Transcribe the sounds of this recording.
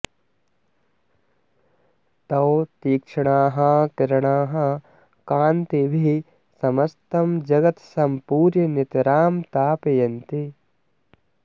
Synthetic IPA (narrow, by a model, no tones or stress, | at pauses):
t̪ɐwt̪iːkʂɐɳaːɦɐkɪɾɐɳaːɦɐ | kaːnt̪ibʱi | sɐmɐst̪ɐmd͡ʒɐɡɐt̪sɐmpuːɾjɐnit̪ɾaːmt̪aːpɐjɐnt̪i